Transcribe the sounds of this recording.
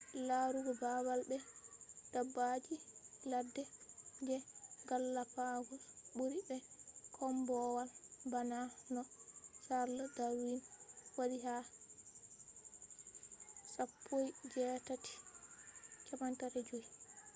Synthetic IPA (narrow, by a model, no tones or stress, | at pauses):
laɾuɡɛbawalbɛd̥abːad͡ʒiladːɛd͡ʒɛɡalːapaɡusɓuɾibɛkʰɔmbɔwalbananɔsaɾladaɾwinwadiɦa | sapʰːojd͡ʒɛtati̥ | kɛmantaɾɛd͡ʒoj